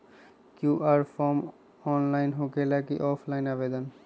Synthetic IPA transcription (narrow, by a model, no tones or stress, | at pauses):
kjuʔaɾpʰɔm | ɔnlajnɦokelakḭʔɔpʰlajnabed̪ɔn